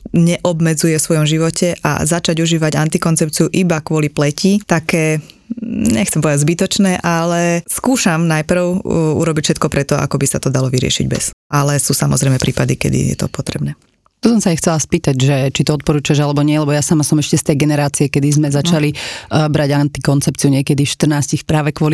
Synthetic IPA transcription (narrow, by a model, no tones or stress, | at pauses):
ɲɛʔɔbmɛd͡zujɛfsʋɔjɔmʒiʋɔcʰɛʔa̰zat͡ʃaɟuʒiːʋaɟant̪ikɔnt͡sɛp̚t͡siuʔibakʊɔliplɛcit̪akɛː | ɲɛxt͡sɛmpɔʋɛd̪azbit̪ɔt͡ʃnɛːʔalɛskuːʃamnajpr̩ʊṵɾɔbicfʃɛt̪̚kɔpɾɛt̪ɔa̰kɔbisat̪ɔd̪alɔʋiɾɪɛ̰ʃḭɟbɛ̰sʔalɛsuːsamɔ̰zɾɛjmɛpɾʔiːpad̪ikɛ̰d̪ḭjɛ̰t̪ɔ̰pɔt̪ɾɛbnɛː | t̪usɔmsaajxt͡sɛlaspiːt̪aɟʒɛt͡ʃit̪ɔɔt̪̚pɔɾuːt͡ʃuaʒalɛbɔɲɪɛlɛbɔjasamasɔmɛʃcɛst̪ɛjɡɛnɛɾaːt͡siɛkɛd̪izmɛzat͡ʃalibɾaɟant̪ikɔnt͡sɛpt͡siuɲɪɛkɛd̪iʃt̪r̩naːscixpɾaːʋɛkʊɔli